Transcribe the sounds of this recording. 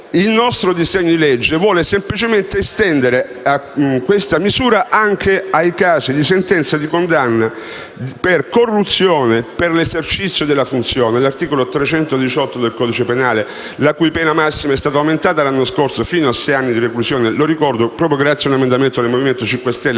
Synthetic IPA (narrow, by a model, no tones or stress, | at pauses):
ilnɔst̪ɾod̪izeɲːod̪iled͡ʒːevwɔːlesemplit͡ʃement̪eːst̪ɛnd̪eɾe | akːwest̪amizuːɾaʔaŋkʰeajkaːzid̪isent̪ɛnt̪sad̪ikond̪anːa | perkorːut̪sːjoːneperlezert͡ʃit̪sːjod̪elːafunt̪sjoːnelart̪iːkolot̪ɾet͡ʃɛnt̪od̪it͡ʃɔt̪ːod̪elkɔːd̪it͡ʃepenaːle | lakujpɛːnamasːimaɛst̪aːt̪oawment̪aːt̪alanːoskorsofiːnoasːɛjanːid̪ireklusjoːneloɾikɔrd̪opɾɔːp̬ɾjoɡɾat̪sjaunemend̪ament̪od̪elmoviment̪ot͡ʃiŋkwest̪ɛlːe